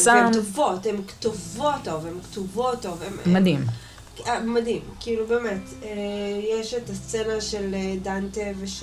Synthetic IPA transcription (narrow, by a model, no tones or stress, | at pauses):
saemmtovo̞themktovotːo̞vemktuvotːovemmadim | amadhimkiilubeːmet | ejeʃetast͡senaʃe̞ledanteveʃ